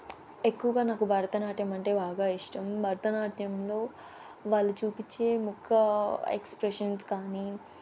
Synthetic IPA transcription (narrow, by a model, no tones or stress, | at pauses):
ekːuʋɐɡaːnaːkubʱɐːɾɐt̪ɐnaːʈjɐmɐɳʈe̞ːbaːɡaːiʂʈɐmbʱɐɾɐt̪ɐnaːʈʰjɐmlo̞ː | ʋaːlːut͡ʃuːpit͡ʃːe̞ːmukʰːɐḛkspɾeʂɐnskaːni